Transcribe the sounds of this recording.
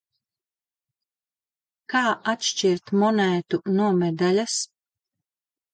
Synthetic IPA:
kaːʔat̪ʃt͡ʃiɾt̪mɔnæːt̪unuɔmɛd̪alʲas

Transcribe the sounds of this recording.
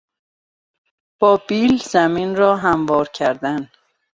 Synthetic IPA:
b̥ɒːbiːlzæmiːnɾɒːɦæmvɒːɾcʰæɾd̪æn

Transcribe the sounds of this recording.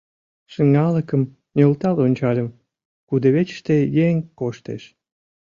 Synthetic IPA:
ʃəŋɑləkəm | nølt̪ɑlonʲt͡ɕɑlʲəm | kud̪əβet͡ɕʃt̪ejeŋkoʃt̪ḛʃ

